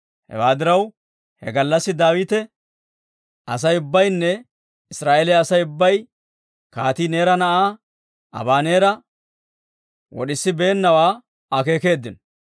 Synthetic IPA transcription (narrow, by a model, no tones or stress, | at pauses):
hɛ̰waːd̪ɪɾɐw | hɛ̰ɡɐlːɐsːɪd̪aːwiːt̪ɛ | ɐs̬ɐjʊbːɐjnːɛ | ɪsɾaːʔelɛɐsɐjʊbːɐj | kaːt̪iːne̞ːɾɐnɐʔaː | ɐ̰baːne̞ːɾɐ | wɔ̰ɗɪsːɪbe̞ːnːɐwaː | ɐke̞ːke̞ːd̪ːɪnɔ